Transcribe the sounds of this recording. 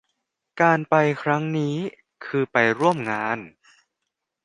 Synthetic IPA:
kaː˧npa˧jkʰɾa˦˥ŋniː˦˥ | kʰɯː˧pa˧jɾu˥˩əmŋaː˧n

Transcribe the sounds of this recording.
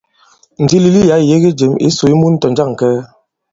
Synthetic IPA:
n̩˨di˦li˨li˦ja˨˦˨je˦ɣe˦d͡ʒe˨mḭ˦so˨i˦mu˦n̩˦tɔ˨n˦d͡ʒa˦˨ŋ˨kɛː˦

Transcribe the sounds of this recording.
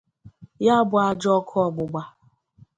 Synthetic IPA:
ja˦bʊ˨a˦d͡ʒɔ˦kʰɔ˦˨ɡ͡bʊ˨ɡ͡ba˨

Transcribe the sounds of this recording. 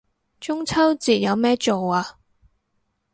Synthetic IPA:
t͡ʃʊ˥ŋt͡sʰɐ˥wt͡siː˨˩t̚jɐ˨˧wmɛː˥t͡ʃo˨waː˧

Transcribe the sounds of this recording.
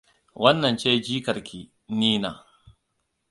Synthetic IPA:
wɐ˦nːɐ˨nt͡ʃeː˦d͡ʒiː˦kɐ˨ɾkʲʰiː˨ | niː˦na̰ː˨

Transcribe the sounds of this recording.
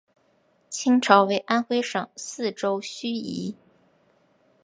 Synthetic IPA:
t͡ɕʰi˥ŋʈ͡ʂʰɑ˧˥ʊwe˧˥ɪʔa˥nxwe˥ɪʂɤ˨˩˦ŋsɹ̩˥˩ʈ͡ʂo˥ʊɕy˥ḭ˧˥

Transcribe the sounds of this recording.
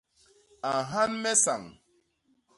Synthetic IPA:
a˨ɦa˦n̩˦me˦sa˨ŋ˨

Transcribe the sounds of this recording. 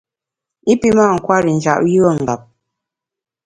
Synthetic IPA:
i˦pi˦ma˦˨ŋ̩˨kwa˦ɾi˨n̩˨d͡ʒa̰˦˨ʔju˦ə˦ŋ̩˨ɡa˨p̚

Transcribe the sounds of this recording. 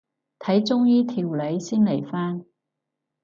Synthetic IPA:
t̪ʰɐ˨˥jt͡sʊ˥ŋjiː˥t̪ʰiː˧wle˨˧jsiː˥nle˨˩jfaː˥n

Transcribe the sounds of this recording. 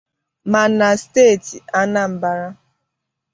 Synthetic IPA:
ma˨na˨steː˦˨ti˨a˦na˦m̩˨ba˦ɾa˦

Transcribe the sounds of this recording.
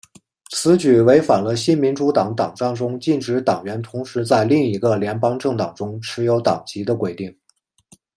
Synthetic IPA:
t͡sʰɹ̩˧˥t͡ɕy˨˩we˧˥ɪfa˨˩nlə˦ɕi˥nmi˧˥nʈ͡ʂu˧˥t̪ɑ˨˩˥ŋt̪ɑ˨˩ŋʈ͡ʂɑ˥˩ŋʈ͡ʂʊ˥ŋt͡ɕi˥˩nʈ͡ʂɻ̩˧˥t̪ɑ˨˩ŋɥɛ˧˥nt̪ʰʊ˧˥ŋʂɻ̩˧˥t͡sa˥˧ɪli˥˩ŋi˧˥ɡə˧ljɛ˧˥npɑ˥ŋʈ͡ʂɤ˥˩ŋt̪ɑ˨˩ŋʈ͡ʂʊ˥ŋʈ͡ʂʰɻ̩˧˥jo˧˥ʊt̪ɑ̰˨˩ŋt͡ɕi˧˥d̪ə˧kwe˨˩ɪt̪i˥˩ŋ

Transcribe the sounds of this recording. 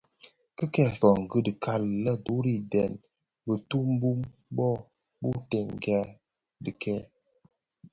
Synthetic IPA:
kə˦kɛ˦˨fɔ˨ŋ̩˨ɡə˦də˨kʰa˦llə˦du˨˦ɾi˦dɛ˨n | bə˨tu˦m˦bu˦mbɔ˦ | bu˦tɛ˨ŋ˨ɡa˦ | də˨kʰɛ˦˨

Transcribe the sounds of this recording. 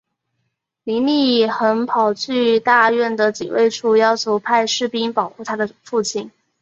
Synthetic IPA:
li˧˥nli˥˩˨xə˧˥npʰɑ˨˩ʊt͡ɕʰy˥˧t̪a˥˧ɥɛ˥˩nd̪ə˩t͡ɕi˨˩wḛ˥˧ɪʈ͡ʂʰu˥˩jɑ˥ʊt͡ɕʰjo˧˥ʊpʰa˥˧ɪʂɻ̩˥˩pi˥npɑ˨˩ʊxu˥˩t̪ʰa˥d̪ə˨fu˥˧t͡ɕʰi˥˩n

